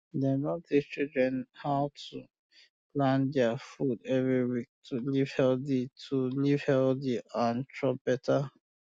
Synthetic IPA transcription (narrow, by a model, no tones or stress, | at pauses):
dɛnɔdit͡ʃildɹɛ̃nhaʊtʰu | lãndafudɛvɾiwik̚tʰuliv̥hɛlditʰuliv̥hɛldiʔãntɹɔp̚b̥ɛtʰa